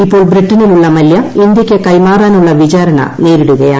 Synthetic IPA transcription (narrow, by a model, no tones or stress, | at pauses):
ipːoːɭbɾiʈːɐniluɭːɐmɐljɐind̪jɐkʲːekɐjmaːraːnuɭːɐʋit͡ɕaːɾɐɳɐ̰neːɾiɽuɣɐja̰ː